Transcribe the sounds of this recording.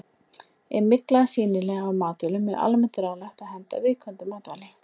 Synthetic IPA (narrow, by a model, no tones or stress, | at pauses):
ɛmɪklasiːnɪlɛɣawmaːt̪ʏlʏmɛða̰lmɛnt̪ɪɾaːɣlajxt̪aðhɛnt̪a̰vɪːkʰvœnt̪ʏmaːt̪alɪ